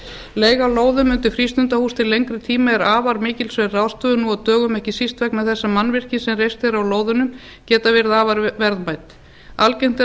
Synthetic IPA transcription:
leːjɣaloːwðʏmʏnt̪ɪfɾist̪ʏnt̪ahust̪ɪlejŋkɾɪt̪ʰiːmaɛɾaːvaɾmɪːcɪlsvɛraːðst̪ʏnuɔt̪œːɣʏmɛhcɪsist̪vɛknmɛðθɛsːamanːvɪr̥cɪsɛmrejst̪ɪɾawloːwðʏnʏm | cɛːt̪avɪɾɪðaːvaɾvɛɾðmajt̪ | alcejŋn̥t̪

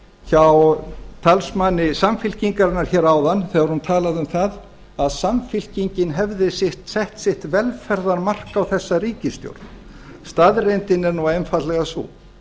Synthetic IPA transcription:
çawt̪ʰalsmanːɪsamfɪl̥ciŋkaɾɪnːaɾ̥çɛːɾaːwðanθɛɣaɾhunt̪ʰaːlaðʏmθað | aðsamfɪl̥ciɲcɪnɦɛvðɪsɪht̪sɛht̪sɪht̪vɛlfɛɾðaɾmar̥kawθɛsːaɾiːcɪst̪jo̰wɾ̥t̪n | st̪aðrejnt̪ɪnɛɾnɔejnfat̪lɛɣasṵː

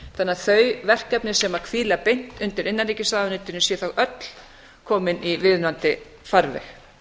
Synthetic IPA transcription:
θanːaθœɥvɛr̥kɛpnɪ̥sɛmakʰviːlapejn̥t̪ʏnt̪ɪɾʔɪnːanɾiːcɪsaːðnɪnt̪ːɪɾnʏsjɛθawʔœt̪l̥ | kʰɔːmɪnivɪðnant̪ɪ | faɾvɛ̰x

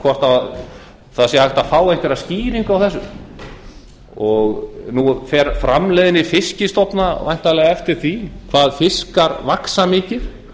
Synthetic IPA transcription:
kʰvɔr̥t̪a | θasjɛhajht̪aðfaːwɛht̪ɪɾaðsciːɾiŋkawθɛsːʏm | ɔɣnufɛɾfɾamlɛːðɪnɪfɪscɪst̪ɔpnavajn̥t̪alɛːɣaɛft̪ɪɾ̥θikʰvaːðfɪskaɾvaksamɪːcɪð̥

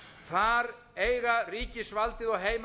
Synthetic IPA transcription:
θaɾ | eːjɣariːcɪsvalt̪ɪðɔɣɦeːjm

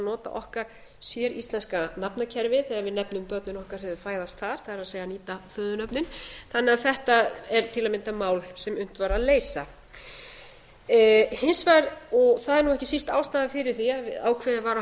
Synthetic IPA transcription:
nɔːt̪a̰ʔɔhkaɾ̥ | sjɛɾist̪lɛnskanapnacʰɛɾvɪθɛːɣavɪðnɛpnʏmpœɾt̪nɪnɔhkaɾ̥θɛðɪfaːjðast̪θaɾ̥θaðɛɾaðseːjaniːt̪afœːðʏnœpnɪnθanːɛaðθɛht̪aɛɾt̪ʰɪlamɪnt̪amaːwlsɛmʏn̥t̪vaɾaðleːjsa | hɪnsvajɾɔɣθaðɛɾnuwɛhcɪsist̪aːwst̪aðafɪɾɪɾ̥θiaa̰wkʰvɛːðɪvaːɾa

